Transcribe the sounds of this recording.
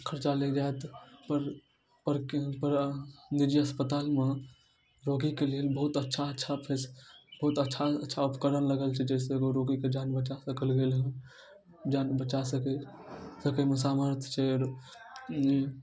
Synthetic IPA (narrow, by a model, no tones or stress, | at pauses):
kʰəɾt͡ʃaled͡ʒaet̪pəɾ | pəɾkpəɾnid͡ʒiəspət̪aːlme | ɾoɡikeleelbəɦut̪ətːʃʰaətːʃʰapʰesbəɦut̪ətːʃʰaətːʃʰaupkəɾənləɡəlt͡ʃʰɛd͡ʒɛːseɡoɾoɡiked͡ʒanbət͡ʃasəkəlɡeːlɦ | d͡ʒaːnbət͡ʃasəkɛsəkemẽsaːməɾt̪ʰt͡ʃʰɛɾ | d͡ʒi